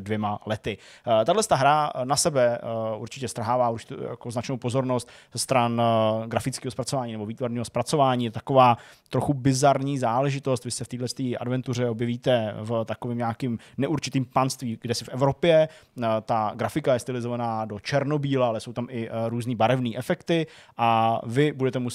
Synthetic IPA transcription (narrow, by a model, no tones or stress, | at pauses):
dvjɛmalɛt̪ɪt̪adlɛst̪aɦɾanasɛbɛʔuɾt͡ʃɪcɛst̪ɾɦaːvaːuɾt͡ʃɪ̥t̪ːja̰koznat͡ʃnowpo̞zo̞ɾnost̪zɛst̪ɾanɡɾafɪt͡skiːɦospɾat͡sovaːɲiːnɛbo̞viːt̪vaɾɲiːɦo̞spɾat͡so̞vaːɲiːjɛt̪ot̪ako̞vaːt̪ɾoxubɪzaɾɲiːzaːlɛʒɪt̪o̞st̪vɪsɛft̪iːdlɛst̪iːʔa̰dvɛnt̪ur̝ɛo̞bjɛviːt̪ɛft̪akoviːmɲaːkɪm | nɛʔuɾt͡ʃɪt̪iːmpanst̪viːɡdɛsɪfɛvɾo̞pjɛt̪aɡɾafɪkajɛst̪ɪlɪzo̞vanaːdo̞t͡ʃɛɾno̞biːlaalɛso̞wt̪amɪɾuːzniːbaɾɛvniːʔɛfɛkt̪ɪʔavɪbudɛt̪ɛmu